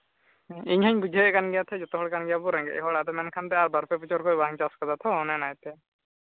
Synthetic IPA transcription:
iɲhaɲbud͡ʒʱɛjɛʔkanɡɛjat̪ʰɛd͡ʒɔt̪ɔɦɔɽkanɡɛjabɔɾɛŋɡɛ̰ʔɛɦɔɽad̪ɛmɛnkʰant̪ɛaɾbaɾpʰɛput͡ʃʰɔɾkʰɔjbaŋt͡ʃaskɔd̪at̪ʰɔɔnɛnajt̪ɛ

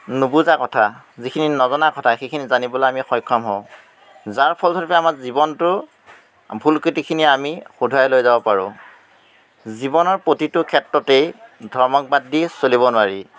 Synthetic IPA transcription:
nubuzakɔtʰa | zikʰininɔzɔnakɔtʰaxejkʰinizanibɔlojamixɔjkʰːɔmɦɔʊ̃ | zaɹpʰɔlsʰɔɹpɛamaɹzibɔntʊ | bʱulkɹitikʰiniamixudʱajlojzabɔpaɹʊ̰̃ | zibɔnɔɹpotitʊkʰɛtɹɔtejdʱɔɹmɔk̚badːisolibɔnʊwaɹi

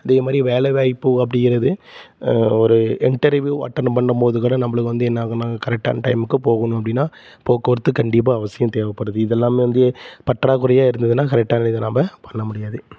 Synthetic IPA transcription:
ɐðeːɐmaːd̪ɾiʋeːɭɛʋaːjpːɯɐp̬ːɐɽɪŋɡɪɾɐðɯ | ɔɾɯɪɳʈɐɾʋjuːɐ̰ʈːɐɾnpɐɳːɯmpoːðɯkʊɽɐnɐmːɐɭɯkːɯʋɐnd̪ɯɛnːaːkɐnaːɡɐkɐɾɛk̚ʈːa̰ːnɐʈɐɪmɯkːɯpoːɣɐnʊ̃ɐpːɐɽɪnːaː | poːkːɐʋɐɾɯt̪ːɯkɐɳɖɪp̬ːaːɐʋɐsɪjɐ̃mt̪eːʋɐpːɐɽɯðɯɪðɛlːaːmeːʋɐnd̪ɯpɐʈːɾaːkɯɾɐjaːɪɾɯnd̪ɐðɯnːaːkɐɾɛk̚ʈaːnɐɪðɐnambɐpɐɳːɐmʊɽɪjaːðɯ

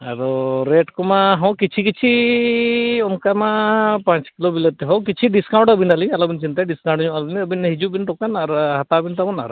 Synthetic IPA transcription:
a̰ɾɔɾeʈkɔmaɦɔ̃wkit͡ʃʰik̬it͡ʃʰi | ɔnkamapãt͡ʃkilobilet̪ɛɦɔ̃wkit͡ʃʰiɖiskaw̃ɳʈəbinaliɲalɔbint͡ʃint̪aɖiskaw̃ɳʈɲɔʔalbnəbinɦid͡ʒubinʈ̪ɔkanaɾɦat̪abint̪amɔna̰ɾ

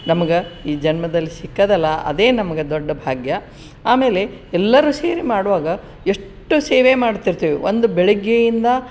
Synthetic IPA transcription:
nɐmɐɡeiːd͡ʒɐnmɐd̪ɐlːisikːɐd̪ɛlːɐʔɐ̰d̪e̞ːnɐmɐɡed̪oɖːɐbʱaːɡjɐ | aːme̞ːle̞ɛlːɐɾuːseːɾimaːɽuʋaːɡɐ | eʂʈːuseːʋemaːɽt̪iɾt̪iːʋḭʋo̰nd̪ubɛɭiɡjejind̪ɐ

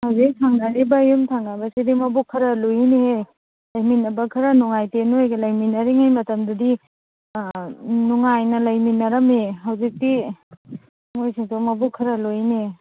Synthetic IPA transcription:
hɐwzik̚tʰaŋnaɾibɐjumtʰaŋnabɐsidimɐbukʰːɐɾɐlojinehe | lajminɐbɐkʰɐɾɐnuŋajtenuojɡɐlajminːɐɾiŋajmɐtɐmdudi | nuŋajnɐlɐjminːɐɾɐmeɦɐwzik̚di | mojsiŋtomɐbukʰːɐɾɐlojine

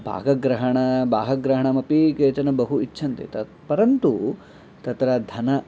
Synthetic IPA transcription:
bʱa̰ːɡɐɡɾɐɦɐɳɐbʱaːɦɐɡɾɐɦɐɳɐmɐpikeːt͡ʃɐnɐbɐɦuitːʃʰɐnt̪ḛt̪ɐ | pɐɾɐnt̪u | t̪ɐt̪ɾɐd̪ʱɐnɐ

